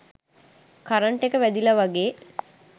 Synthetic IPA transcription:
kaɾəɳʈekəʋæd̪iləʋaɡeː

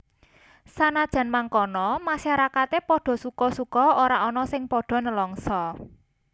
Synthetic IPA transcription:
sanad̥ʒ̥ä̤nmaŋkɔnɔmaʃaɾakat̪epɔɖ̥ɔ̤sukɔsukɔoɾaʔɔnɔsɪŋpɔɖ̥ɔ̤nəlɔŋsɔ

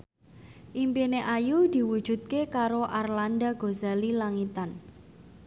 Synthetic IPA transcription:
ʔimpineʔajud̪̥i̤wud̥ʒ̥ṳt̪̚kekaɾoʔarland̪aɡ̥ozalilaŋit̪an

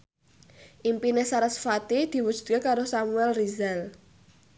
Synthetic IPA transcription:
ʔimpinesaɾəsfat̪id̪̥i̤wud̥ʒ̥ṳ̥t̪̚kekaɾosamuɛlrizal

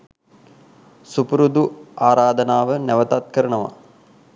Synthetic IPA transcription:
supuɾud̪uaːɾaːd̪ənaːʋənɛʋət̪at̪̚kəɾəɳəʋa̰

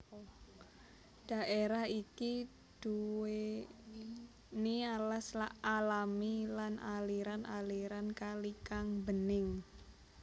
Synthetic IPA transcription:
d̥a̤ʔeɾaɦiki | d̪̥ue | nialaslaʔalamilanʔaliɾanaliɾankalikaŋbənɪŋ

